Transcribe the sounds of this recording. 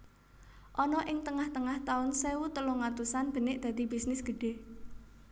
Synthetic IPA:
ʔɔnɔʔɪŋt̪əŋaht̪əŋaht̪aʊnsewut̪əluŋat̪usanb̥ə̤nɪʔd̪̥ä̤d̪̥i̤bisnɪsɡ̥ə̤ɖ̥e̤

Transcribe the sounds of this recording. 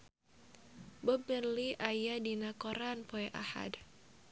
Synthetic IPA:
bəbərliʔajadinakɔɾanpoɛʔa̰ha̰d

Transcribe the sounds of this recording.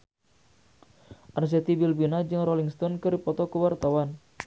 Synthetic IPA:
ʔars̬ɛt̪ibilbinad͡ʒɨŋrɔliŋst̪ɔnkɨɾipɔt̪ɔkəwart̪awan

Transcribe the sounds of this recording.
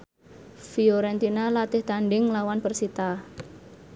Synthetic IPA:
fiɔɾɛnt̪inalat̪ɪht̪aɳɖɪŋlawanpərsit̪a

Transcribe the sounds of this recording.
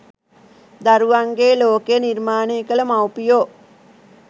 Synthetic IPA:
d̪aɾuʋaŋɡeːloːkeənirmaːneːkələmawpijoː

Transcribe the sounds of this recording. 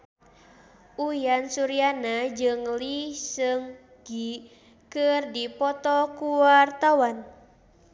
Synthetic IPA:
ʔujansuɾianad͡ʒɨŋlisɨŋ | ɡ̥i | kɨrdipɔt̪ɔkuwart̪awan

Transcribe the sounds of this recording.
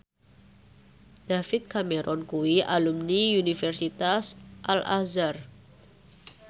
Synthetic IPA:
d̪̥afɪt̪̚kamɛɾʔɔnkuwiʔalumniunifɛrsit̪asʔalʔa̰zar

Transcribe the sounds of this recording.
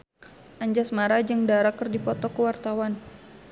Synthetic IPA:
ʔaɲd͡ʒasmaɾad͡ʒɨŋdaɾakərdipɔt̪ɔkəwart̪awan

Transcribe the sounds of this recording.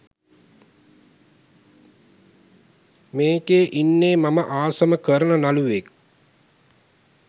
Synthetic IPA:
meːkeːʔinːeːmaməʔaːsəməkəɾənənaluʋek̚

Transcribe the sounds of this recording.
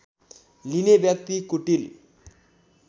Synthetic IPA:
linebjʌk̚t̪ikuʈil

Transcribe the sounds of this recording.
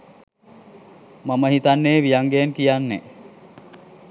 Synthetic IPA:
maməɦit̪anːeːʋijaŋɡenkijanːe

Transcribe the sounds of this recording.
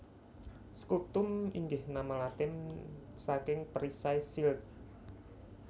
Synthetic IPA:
sə̥kut̪ʊmiŋɡɪhnamalat̪ɪmsakɪŋpəɾisajsilt

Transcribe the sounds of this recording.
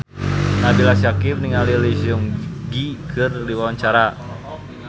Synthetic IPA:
nabilasakim̚niŋalilisuŋɡikʰɨrdiwawaɲt͡ʃaɾa

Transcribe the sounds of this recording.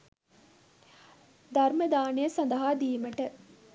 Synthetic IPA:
d̪ɐrməd̪aːnejəsɐnd̪əɦaːd̪iːməʈə

